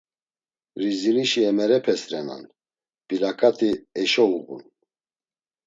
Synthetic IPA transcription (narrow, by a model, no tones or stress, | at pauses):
ɾiziliʃiɛmɛɾɛpʰɛsɾɛna̰n | b̥ilakʼat̪ʰiɛʃɔuɣṵn